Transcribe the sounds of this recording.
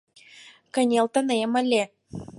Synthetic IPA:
kə̆nʲelt̪ə̆nemə̆lʲe

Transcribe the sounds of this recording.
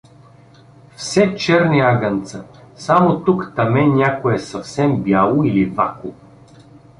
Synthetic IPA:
fsɛt͡ʃɛɾniaɡənt̪sə | samot̪ukt̪ɐmɛnʲakoɛsɐfsɛmbjalˠoilivako

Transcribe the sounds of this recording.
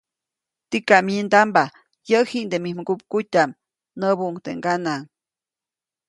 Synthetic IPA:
t̪ikamind̪amba | jəhiʔnd̪emimɡup̚kutʲam | nəbuʔŋt̪eŋɡanaŋ

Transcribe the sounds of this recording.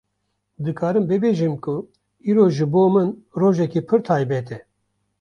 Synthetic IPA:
d̪ɨkʰɑːɾɨmbɨbeːʒɨmkʰʊ | iːɾoːʒɨboːmɨnroːʒɛkiːpʰɨɾt̪ʰɑːjbɛt̪ɛ

